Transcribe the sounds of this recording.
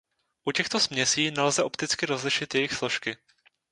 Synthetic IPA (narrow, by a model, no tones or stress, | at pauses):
ʔucɛxt̪o̞smɲɛsiːnɛlzɛʔo̞pt̪ɪt͡skɪɾo̞zlɪʃɪt̪jɛjɪxslo̞ʃkɪ